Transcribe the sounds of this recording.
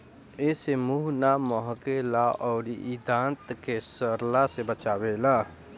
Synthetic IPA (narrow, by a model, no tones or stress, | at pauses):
eːsemuːɦnamɔɦkelaɔːɾiid̪ãːnt̪kesəɾlasebət͡ʃaːwelaː